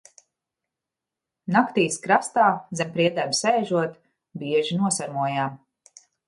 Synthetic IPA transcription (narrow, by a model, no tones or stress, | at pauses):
nakt̪iːskɾast̪aːzɛmpɾiɛd̪æmsɛːʒuɔt̪ | biɛʒinuɔsaɾmuɔjaːm